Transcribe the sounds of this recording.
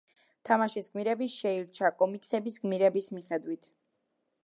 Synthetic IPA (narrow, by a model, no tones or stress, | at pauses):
t̪ʰamaʃisɡmiɾɛbiʃɛiɾt͡ʃʰakʼɔmikʼsɛbisɡmiɾɛbismiχɛd̪wit̪ʰ